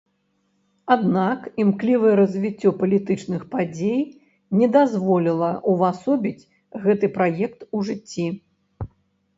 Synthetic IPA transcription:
ad̪nakimklʲivɨjɛɾɐzʲvʲit͡sʲːɔpɐlʲit̪ɨt͡ʂnɨxpad͡zʲej | nʲɛd̪azvɔlʲilˠɐʔuvasɔbʲit͡sʲ | ɣɛt̪ɨpɾajɛk̚t̪uʐɨt͡sʲːi

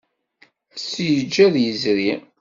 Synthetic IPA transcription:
sjəd͡ʒːæðjəzɾi

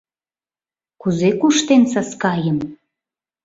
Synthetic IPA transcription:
kuzekuʃt̪ensɑskɑjəm

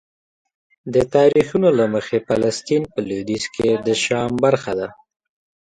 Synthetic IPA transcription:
d̪ət̪ɑɾixunolaməxefalast̪inpəlud̪isked̪əʃɑmbaɾxad̪a

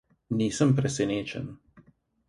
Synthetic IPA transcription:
niːsəmpɾɛsɛneːt͡ʃə̰n

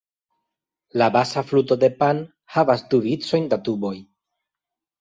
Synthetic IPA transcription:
labasafluto̞de̞pan | havasduvit͡so̞jndatubo̞j

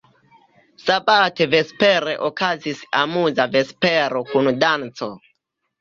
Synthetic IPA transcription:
sabateve̞spe̞ɾe̞ʔokazisamuzave̞speɾo̞kundant͡so̞

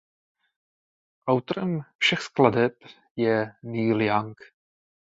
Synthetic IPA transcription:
ʔawt̪oɾɛmfʃɛxskladɛp | jɛniːljaŋk

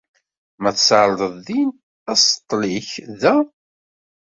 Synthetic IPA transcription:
mæθsʕɾˤðˤəðˤðin | æsə̥t̪ˤːliçðæ

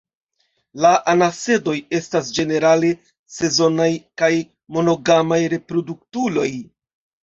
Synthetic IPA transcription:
laʔanase̞do̞je̞stasd͡ʒe̞ne̞ɾale | se̞zo̞najkaj | mo̞no̞ɡamajɾe̞pɾo̞duk̚tulo̞j

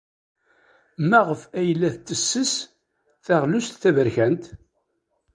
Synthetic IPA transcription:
mæʁəfæjlːæθt͡s̪ːəsːəs | θæʁlust̪θævəɾçænt̪

